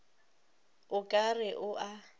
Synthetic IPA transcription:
ʊkʼarɪʔʊʔa

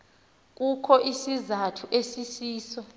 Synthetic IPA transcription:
k̬ʼukʰɔʔisizatʰuʔesisiːsɔ

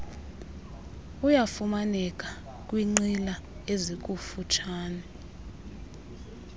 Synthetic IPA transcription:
ujafumanɛk̬ʼa | kʼwiŋ͡ǀilaezik̬ʼufut͡ʃʰaːnɛ

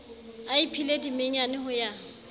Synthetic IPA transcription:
aipʰiledimeŋ̩anɪhʊja

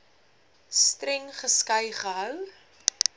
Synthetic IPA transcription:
strɛŋχəskɐjχəɦœw

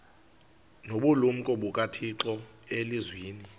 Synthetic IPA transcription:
noɓulum̩kʼɔɓukʼatʰiǁɔ | elizwiːni

